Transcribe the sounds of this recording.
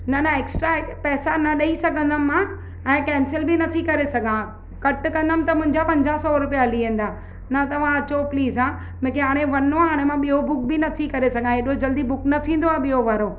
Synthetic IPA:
nɐnɐeːksʈɾapɛːsanɐɗɐisɐɡʱə̃nd̪əmːãː | ɛ̃ːkɛ̃ːnsɪlbɪnɐt̪ʰikɐɾesɐɡʱã | kɐʈkɐ̃nd̪əmɪ̆t̪ɐmʊ̃ɪ̃ɲ̆d͡ʑapɐ̃ɲd͡ʑaːɦsɔɾʊpijaliɦẽːn̆d̪aː | nɐt̪ɐʋ̤ãɐt͡ɕopliːzãː | mʊ̃ːkʰeɦaːɽ̃eʋɐnoaɦaːɽ̃emãɓiobʊk̚bɪnɐt̪ʰikɐɾesɐɡʱãɦeɗod͡ʑɐld̪ibʊknɐt̪ʰĩːn̆d̪oaːɓijoʋaɾoː

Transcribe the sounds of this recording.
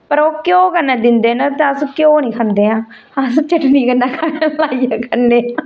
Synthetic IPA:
pəɾoːkjõːkənːaːd̪ɪnd̪eːnãt̪eəsũkjõːnĩːkʰənd̪eːãː | əst͡ʃəʈniːkənːaːkʰalaːijaːkəneːaː

